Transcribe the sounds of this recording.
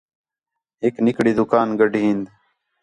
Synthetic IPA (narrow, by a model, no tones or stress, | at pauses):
ɦeːknɪkɽiːd̪ʊkaːnɡəɖʱiɦĩːnd̪